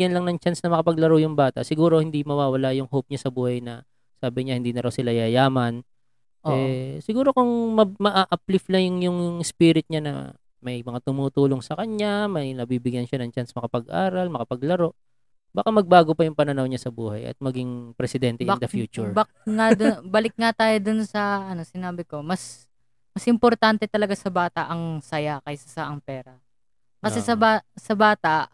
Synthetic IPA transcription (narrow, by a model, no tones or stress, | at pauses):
jɐnlɐŋnɐŋt͡ʃansnɐmɐkɐpɐɡlɐɾojʊŋbaːt̪ɐ̰ʔsɪɡuːɾo̞hɪnd̪imɐwaːwɐlaʔjʊŋɦowp̚ɲasɐbuːhɐjnɐ | saːbɪɲahɪnd̪iːnɐɾɐwsɪlajajaːmɐn | ʔʔɛsɪɡuːɾo̞kʊŋmɐmɐʔaːʔɐpliflɐŋjʊŋjʊŋŋspiːɾɪt̪̚ɲanɐ̰ | mɐjmɐŋat̪ʊmuːt̪uːloŋsɐkɐɲɲamɐjnɐbiːbɪɡjanʃanɐŋt͡ʃansmɐkɐpɐɡʔaːɾɐlmɐkɐpɐɡlɐɾo̞ʔ | baːkamɐɡ̚baːɡopɐjʊŋpɐnɐnawɲasɐbuːhɐjʔɐ̰t̪̚mɐɡiŋpɾɛsɪd̪ɛnt̪ɛjɐd̪ɐfjuːt͡ʃʊɹbɐkŋad̪obɐlɪk̚ŋat̪aːjod̪ʊnsɐʔɐno̞sɪnaːbɪko̞mɐs | mɐsʔɪmpoɾt̪ant̪ɛt̪ɐlɐɡasɐbaːt̪ɐʔɐŋsɐjakɐjsɐsaʔɐŋpɛːɾɐ | kɐsɛsɐbaːsɐbaːt̪ɐʔ